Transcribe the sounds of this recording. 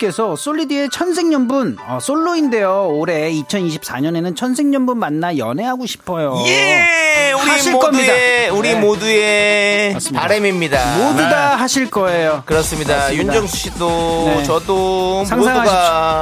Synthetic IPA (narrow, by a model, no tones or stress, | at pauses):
k͈e̞sʰʌs͈oʎːidie̞t͡ɕʰʌns̬ʰe̞ŋɲʌmbunʌs͈ʰoɭːuinde̞jooɾe̞it͡ɕʰʌniɕʰi̥p̚s͈aɲʌne̞nɯnt͡ɕʰʌnsʰe̞ŋɲʌnbunmanːajʌnɦe̞ɦaɡoɕʰi̥pʰʌjoje | uɾaiɕʰiɭk͈ʌmɲidauɾimodueas͈ɯmpaɾemimɲidamoduɡaɦaɕʰiɭk͈ʌe̞jokɯɾʌs͈ɯmɲidajund͡ʑʌŋsʰu̥ɕ͈ʰit͈ot͡ɕʌdosʰaŋsʰaŋɦaɡia